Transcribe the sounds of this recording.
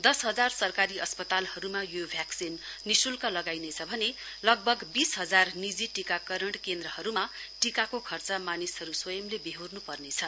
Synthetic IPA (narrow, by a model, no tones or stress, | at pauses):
d̪ʌsɦʌd͡zarsʌrkaɾiʌspʌt̪alhʌɾumajobʱjaksinː | isulkalʌɡajnet͡sʰʌbʱʌne | lʌɡ̚bʱʌɡbisɦʌd͡zarnid͡ziʈikakʌɾʌɳʈkend̪rʌɦʌɾuma | ʈikakokʰʌrt͡samanisɦʌɾuswʌjʌmlebeɦurnupʌrnet͡sʰʌ